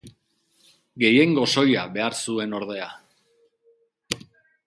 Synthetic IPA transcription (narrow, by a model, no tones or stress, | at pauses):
ɡe̞je̞ŋɡo̞so̞jaβe̞aɾsue̞no̞ɾðe̞a